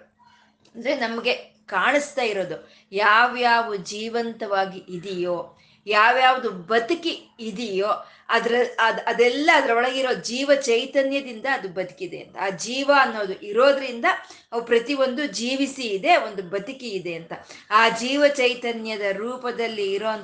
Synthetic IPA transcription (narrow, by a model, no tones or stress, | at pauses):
ɐnd̪ɐɾenɐmɐɡe̞ | kaːɳist̪aːjiɾo̞ːd̪u | jaːʋjaːʋud͡ʒiːʋɐnt̪ɐʋaːɡiʔːd̪ijo̞ː | jaːʋjaːʋud̪ubɐt̪ukiid̪ijo̞ː | ɐd̪ɐɾɐɐd̪ɐd̪ɛlːɐːd̪ɐɾɐɔɭɐɡiɾoːd̪ud͡ʒiːʋɐt͡ʃɐjt̪ɐnjɐd̪ind̪ɐːd̪ubɐd̪u̥kid̪ḛɐ̰nt̪ɐaːd͡ʒiːʋɐːnːo̞ːd̪uʔiɾo̞ːd̪ɐɾind̪ɐ | ɐʋupɾɐt̪iʋo̞nd̪ud͡ʒiːʋisiːd̪e̞o̞nd̪ubɐd̪ukiːd̪e̞ɐnt̪ɐaːd͡ʒiːʋɐt͡ʃɐjt̪ɐnjɐd̪ɐɾuːpɐd̪ɐlːiːɾo̞ːɐn